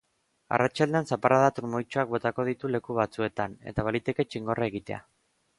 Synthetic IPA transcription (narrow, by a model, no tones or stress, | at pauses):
a̰rat͡ʃald̪eansapaɾʔaðat̪uɾmojt͡ʃoak̚bo̞t̪ako̞ð̞it̪ule̞kuβat͡sue̞t̪ane̞̰t̪aβalit̪e̞ke̞t͡ʃiŋɡo̞rʔae̞ɣit̪e̞̰a̰